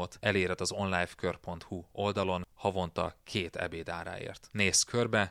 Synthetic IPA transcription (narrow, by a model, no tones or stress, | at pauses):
ot̪ʰɛleːɾɛt̪ːɒzo̞nlaːjfkø̞rpont̪huo̞ld̪ɒlo̞nhɒvo̞nt̪ɒ̰kʰeːt̪ɛ̰beːd̪aːɾa̰ːḛːrt̪neːskʰørbɛ